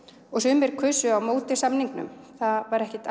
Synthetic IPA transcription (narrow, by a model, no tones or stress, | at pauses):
ɔɣsʏːmɪɾ̥kʰʏsʏawmoːwt̪ɪ̥samniŋknʏ̰mθaðvaɾɛhcɪt̪